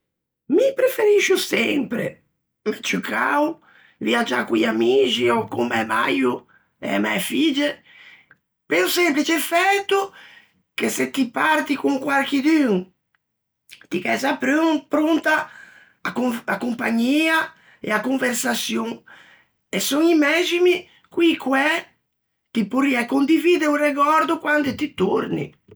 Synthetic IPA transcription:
mipɾefeɾiʃusɛmpɾḛ | mɛt͡ʃukʰaw | viad͡ʒːa̰kuiamit͡ʃiɔkumɛma̰ju | ɛ̰mɛfid͡ʒe | peɾusɛmplit͡ʃefɛt̪ːu | keset̪ːipaɾt̪ikuŋkwaɾk̟id̪yŋ | t̪ikɛzapɾøŋpɾont̪a | akakumpaɲːiːa | ḛakuɱveɾsasjoŋ | esoŋimɛd͡ʒimi | kwikwɛ | t̪ipuriɛkːond̪iviːd̪eureɡɔɾd̪ʊkwand̪et̪it̪oɾnḭ

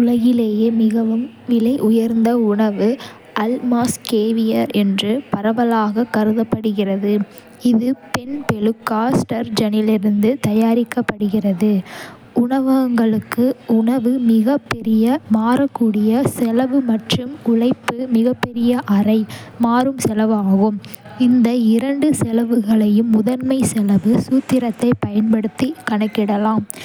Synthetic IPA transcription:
ʊlɐɣɪleːjeːmɪɣɐʋɯm | ʋɪlɐɪʔʊjɐɾnd̪ɐʊɳɐʋɯ | ʔɐlmaːskeːʋɪjɐɾɛndrɯpɐɾɐʋɐlaːɣɐkɐɾɯðɐpːɐɽɯɣɪrɐðɯ | ɪðɯpɛnpɛlɯkːaːsʈɐɾd͡ʒɐnɪlɪɾɯnd̪ɯt̪ɐjaːɾɪkːɐpːɐɽɯɣɪrɐðɯ | ʔʊɳɐʋɐŋɡɐɭɯkːɯʊɳɐʋɯmɪɣɐpːɛɾɪjɐmaːɾɐkːuːɽɪjɐsɛlɐʋɯmɐʈrɯmʊɭɐɪpːɯmɪɣɐpːɛɾɪjɐʔɐrɐɪmaːɾɯmsɛlɐʋaːɣɯm | ɪnd̪ɐɪɾɐɳɖɯsɛlɐʋɯɣɐɭɐjɯmːʊðɐɾmɐɪsɛlɐʋɯsuːt̪ːɪɾɐt̪ːɐɪpɐjɐnpɐɽɯt̪ːikɐɳɐkːɪɽɐlaːm

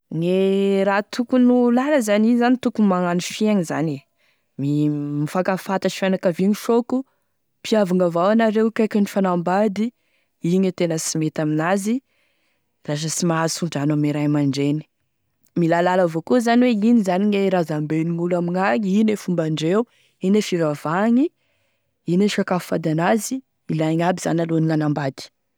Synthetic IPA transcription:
ŋeɾat̪ʰukunulaləzanizanit̪ukumaŋanifiaŋiza̰ne | mimifakafat̪aʃi̥fanakaviɲiʃoku | pʰiavaŋavawanaɾewkajkʲanifanambad̪i | iɲət̪enəsimet̪aminazi | ras̬əsimaazsuɳɖ͡ʐanamiɾajmaɳɖ͡ʐeni̥ | milalaləvokuzaniweinizaniɲeɾazambeniŋulamiŋaɲinefumbaɳɖ͡ʐewu | inefiɾavaŋi | ineʃakafu̥fad̪anazi | ilaɲabiz̥a̰naloniŋanambad̪i̥

